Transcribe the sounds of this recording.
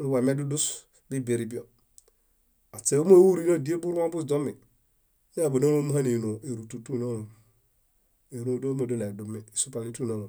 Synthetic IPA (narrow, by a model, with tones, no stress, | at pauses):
lu˦wa˨me˦du˦du˦s | bi˦be˨ɾi˨bi˦o˨ | a˨t͡se˨o˦m˦o˦wu˦ɾi˦no˦˨di˦e˦bu˦ɾwa˦bu˦sd͡ʒo˦mi˨ | ja˦˨bo˨no˦lo˦m˦ha˦ne˨no˨e˨ɾu˨tu˨tu˦˨na˦lu˨ | e˨ɾo˦˨˦do˦mo˨do˦na˨du˨mi˦i˨su˦pa˨li˦tu˦˨na˦ŋo˨